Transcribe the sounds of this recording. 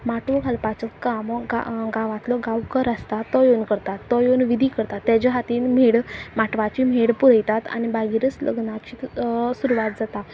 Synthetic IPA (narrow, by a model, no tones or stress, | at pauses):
maʈoɡʱəlpat͡səkamɡa̰ɡaʋãt̪lɔɡawkəɾəst̪at̪ːɔjonkəɾt̪at̪ːɔjonʋid̪ʱikəɾt̪at̪ːjad͡ʑaɦat̪iːnm̤eɽmaʈʋat͡ɕim̤eɽpuɾəjt̪at̪a̰ñibaɡiɾət͡slə̰ɡnat͡ɕit̪suɾuʋat̪̚d͡zat̪a